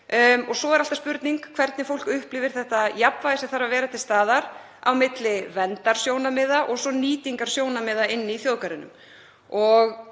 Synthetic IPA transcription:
ɔɣsɔɛɾalt̪aspʏɾt̪niŋkkʰv̥ɛɾt̪nɪfowl̥kʏhplɪvɪɾ̥θɛht̪ajapvajðɪsɛθaɾavɛːɾat̪ʰɪlst̪aːðaɾ | a̰wmɪt̪lɪvɛnt̪aɾ̥sjownamɪːðaʔɔɣsɔniːt̪iŋkaɾ̥sjoːwnamɪːðaɪnːɪiθjoːðkaɾɪnʏ̰m | ɔɣ

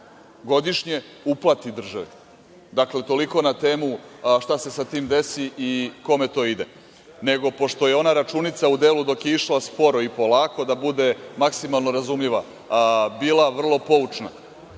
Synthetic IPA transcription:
ɡo̞d̪iʃɲe̞ | uplˠat̪id̪r̩ʒaʋe | d̪akle̞t̪o̞liko̞nat̪e̞ːmuʃt̪ase̞sat̪iːmd̪e̞siʔiko̞me̞t̪o̞ːid̪e | ne̞ɡo̞po̞ʃt̪o̞je̞o̞naɾat͡ʃunit̪saud̪e̞ːlud̪o̞kjeiʃlˠaspo̞ɾoipo̞lˠaːko̞d̪abud̪e̞maksimalˠnoɾazumʎiʋa | biːlˠaʋr̩lˠo̞po̞ut͡ʃna̰

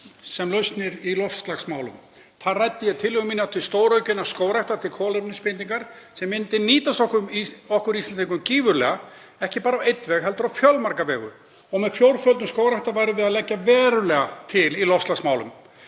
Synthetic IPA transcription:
sɛmlœɥst̪nɪɾilɔfst̪laxsmaːwlʏ̰m | θaðrajt̪ːɪjɛt̪ʰɪlːʏɣʏminat̪ʰɪlst̪oːwɾœɥcʏnːaskoːwɾajht̪ḁt̪ʰɪlkʰɔːlɛpnɪspɪnt̪iŋkaɾ̥sɛmːɪnt̪ɪniːt̪ast̪ɔhkʏmɔhkʏɾist̪aniŋkʏmciːvʏɾlɛ̰ɣa | ɛhcɪpaːɾawejt̪vɛɣɦɛlt̪ʏɾawfjœlmaɾkavɛːɣʏ̰ | ɔɣmɛðfjowɾfœlt̪mskoːwɾajht̪avaːjɾɪvɪðaðlɛcːavɛːɾʏlɛːɣat̪ʰɪlilɔfst̪laxksmaːwlʏ̰m

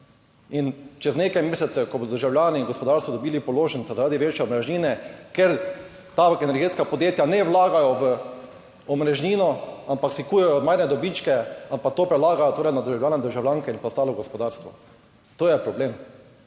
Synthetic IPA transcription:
int͡ʃɛzneːkajmeːsɛt̪sɛkɔbod̪ɔd̪əɾʒawljaːniːŋɡɔspɔd̪aɾst̪ʋɔd̪ɔbiːlipɔloːʒəntsɛzaɾaːd̪iʋeːt͡ʃjɛɔmɾɛʒniːnɛkeɾ | t̪aɛnɛɾɡet̪skapɔd̪jeːt̪janɛwlaːɡajɔʋə | ɔmɾɛʒniːnɔampaksikuːjɛjɔmajɾnɛd̪ɔbit͡ʃkɛampak̚t̪oːpɾɛlaːɡajɔt̪oːɾɛjnad̪əɾʒawljaːnɛd̪əɾʒawlʲjaŋkɛinpɔst̪aːlɔɡɔspɔd̪aɾst̪ʋɔ | t̪oːjɛpɾɔbleːm

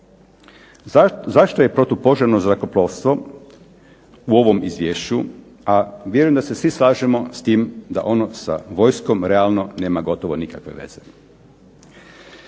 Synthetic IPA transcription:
zaʃt̪oje̞pɾot̪opo̞ʒaɾnozɾako̞ploːʋst̪ʋo̞ | uo̞ʋo̞mizʋjeːʃt͡ɕu | aʋʲjeɾujemd̪ase̞sʋislˠaːʒemo̞st̪iːmd̪a̰ʔo̞nosa̰ʋo̞jsko̞mɾealno̞ne̞ːmaɡo̞t̪oʋo̞nikakʋe̞ʋe̞̰z̥e

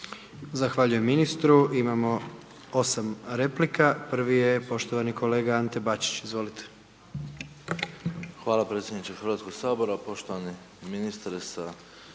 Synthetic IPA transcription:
zaxʋaʎuje̞mːinist̪ɾuimamo̞ | osamɾe̞plikapr̩ʋije̞po̞ʃt̪oʋanikʰo̞le̞ːɡaant̪e̞bat͡ɕi̥t͡ɕizʋo̞lit̪ʰe̥ | xʋaːlapɾet̪sʲjed̪nit͡ɕexɾʋat̪koɡ̥saːboɾapo̞ʃt̪oʋani | minist̪aɾsa

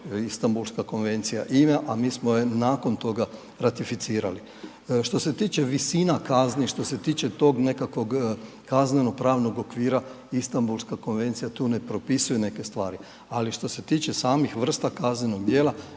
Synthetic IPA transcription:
ist̪ambulˠskako̞nʋe̞nt̪sija̰ʔimeʔamiːsmojenako̞nt̪o̞ɡa | ɾat̪ifit̪siːɾa̰li | ʃt̪o̞se̞t̪iːt͡ʃe̞ʋisinakazniʃt̪o̞set̪iːt͡ʃe̞t̪o̞ɡne̞kakʋo̞ɡ | kazneno̞pɾaːʋno̞ɡo̞kʋiːɾa | ist̪ambulˠskako̞nʋe̞nt̪sijat̪uːne̞pɾo̞pisujene̞ke̞st̪ʋaːɾi | aliʃt̪o̞se̞t̪iːt͡ʃesaːmixʋr̩st̪akazɲeno̞ɡ̚d̪jeːlˠa

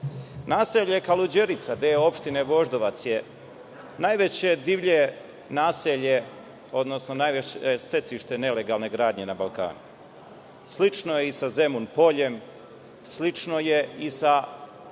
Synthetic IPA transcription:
naːseʎekalud͡ʑeɾit̪sad̪eːo̞pʃt̪ine̞ʋo̞ʒd̪oʋat̪sje | najʋe̞t͡ɕe̞d̪iʋʎe | naːseʎe̞ | o̞d̪no̞snonajʋeest̪e̞t̪siʃt̪e̞ne̞le̞ɡalne̞ɡɾaːd̪ɲe̞nabalˠka̰ːnu | sliʈ͡ʂno̞jeisaze̞munpo̞ʎe̞m | slit͡ʂno̞je̞isa

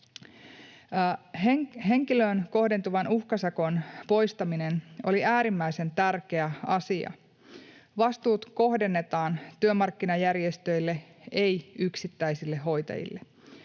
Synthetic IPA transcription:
ɦe̞ŋkiløːnko̞ɦde̞nt̪uʋɑnuhkɑsɑko̞npo̞jst̪ɑmine̞no̞liæːɾimːæjse̞nt̪ærk̟e̞æɑsiɑ̰ | ʋɑst̪uːt̪ko̞ɦde̞nːe̞t̪ɑːnt̪yømɑrkːinɑjærje̞st̪ø̞jlːe̞ | e̞jyksit̪ːæisilːe̞ɦːo̞jt̪ɑ̰jḭlːe

